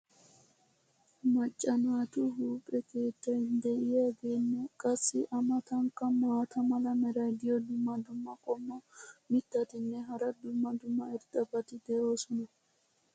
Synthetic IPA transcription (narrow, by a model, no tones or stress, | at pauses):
mɐt͡ʃʼːɐnaːt̪ʊɦuːpʼɛke̞ːt̪ːɐjnd̪ɛʔɪjaɡeːnːɛkʼɐsːɪʔɐmɐt̪ɐŋkːɐmaːt̪ʰɐmɐlɐmɛɾɐjd̪ɪjɔd̪ʊmːɐd̪ʊmːɐkʼɔmːɔmɪt̪ːɐt̪ɪnːɛɦɐɾɐd̪ʊmːɐd̪ʊmːɐɛɾt̪ʼɐbɐt̪ɪd̪ɛʔo̞ːsɔnɐ